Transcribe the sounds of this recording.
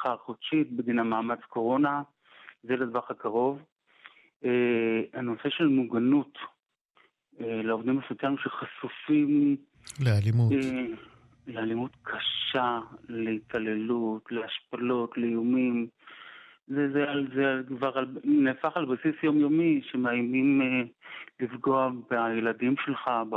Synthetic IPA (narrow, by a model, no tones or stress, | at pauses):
χaʁχodʃit̪̚bedinamaːmat͡sko̞ʁo̞na | zeled̪vaχakaʁo̞v | eano̞se̞ʃelmuɡanut | eleovd̪imefut̪aimʃeχasufim | lealimu | lealimutkʰaʃaleitale̞lutleaʃpalo̞tlejumim | zezealzekvaʁalnefaχalbasisjo̞mjo̞miʃe̞meajmimelifɡo̞abeajeladimʃe̞lχab